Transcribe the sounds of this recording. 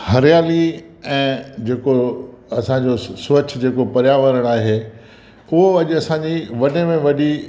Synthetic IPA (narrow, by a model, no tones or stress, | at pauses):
hɐɾɪjaːli | ɛ̃ːd͡ʑeːko | ɐsãːd͡ʑosoːt͡ɕd͡ʑeːkopɐɾjaʋəɾəɽ̃aːɦeː | ʊɦoɐʄɐsãːɲd͡ʑiʋɐnemẽʋɐɗi